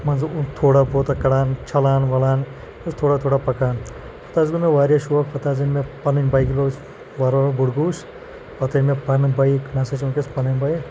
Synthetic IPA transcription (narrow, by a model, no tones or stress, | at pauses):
mɐnzut̪ʰoːɽaːboːt̪akɐɽaːnt͡ʃʰɐlaːnʋɐlaːn | ɐst̪ʰoːɽaːt̪ʰoːɽaːpɐkaːn | pʰɐt̪aːzɡunɐʋaːɾjaʃuɐkʰpʰɐt̪aːzinmepɐnɐnʲbɐjkʲilɐs | ʋɐɾobuɽɡuːs | pɐt̪ɐnmepɐnɨbɐiknɐsɐt͡ʃunkʲespɐnɐnʲbɐji